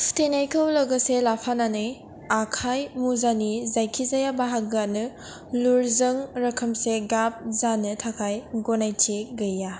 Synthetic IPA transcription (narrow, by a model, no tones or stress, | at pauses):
stenajkʰɐwlɐɡɐselapʰananɯj | akʰajmuzanizajkʰizajabaɦak̚ɡanɯ | luɾzɐŋɾɐkʰɐmseɡap̚zanɯtʰakʰajɡonajtʰeɡɐjːa